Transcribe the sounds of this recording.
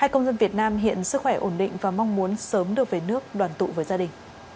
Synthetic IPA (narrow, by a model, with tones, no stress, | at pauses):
haː˧jkə˧wŋ͡mzə˧nvi˨˩ət̚naː˧mɦḭ˧˨ənsɨ˦˥k̚xwɛ˧˩ʔo˧˩nɗḭ˧˨ŋ̟vaː˨˩ma˧wŋ͡mmu˨˦ənsəː˨˦mɗɨ˨˩ək̚ve˨˩nɨ˦˥ək̚ɗwaː˨˩nt̪ṵ˧˨vəː˨˦jzaː˧ɗï˨˩ŋ̟